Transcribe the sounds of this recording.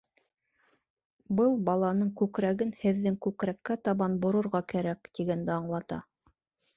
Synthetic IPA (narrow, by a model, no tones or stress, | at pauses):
bɤlˠbɑlˠɑnɤɴkʉkɾæɡɘnhɘ̆ðːɘŋkʉkɾækːæt̪ɑβɑnbŏɾŏɾʁɑkæɾækt̪iɡænd̪ɘɑɴlˠɑt̪ɑ̰